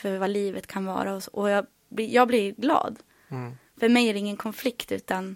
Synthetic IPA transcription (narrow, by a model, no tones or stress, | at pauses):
fœɾvaliːvət̪kʰanvɑ̰ːɾaɔsʔɔjɑː | blɪjʔɑːɡblɪɾɡlɑ̰ːd̪ | fœɾmɛjæɖɛɪŋːənkʰɔnflɪkt̪ʉ̟̰ːt̪an